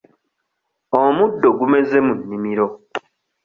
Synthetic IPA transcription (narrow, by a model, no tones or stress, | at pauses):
omudːo̞ɡume̞ze̞munːimiɾo